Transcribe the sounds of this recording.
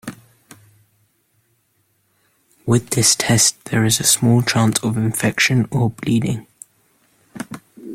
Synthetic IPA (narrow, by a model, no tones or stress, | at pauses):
wɪðɪstʰɛsðəɹɪzəsmɔːlˠt͡ʃʰɑ̃ˑnsəvɪ̃ɱfɛkʃə̃nəbliːdɪ̃ŋ